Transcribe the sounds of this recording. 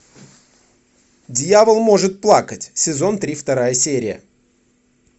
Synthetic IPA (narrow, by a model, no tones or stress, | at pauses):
dʲjavəlˠmo̞ʐɨt̪̚plˠakətʲsʲɪzo̞nt̪ɾʲift̪ɐɾajəsʲeɾʲɪjə̰